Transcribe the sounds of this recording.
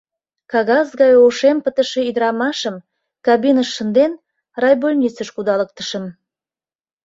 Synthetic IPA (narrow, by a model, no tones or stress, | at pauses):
kɑɣɑsɣɑjoʃempət̪ə̆ʃe̽yd̪əɾɑmɑʃəm | kɑβinəʃːənd̪en | rɑjbolʲnʲisəʃkud̪ɑlək̚t̪ə̥ʃəm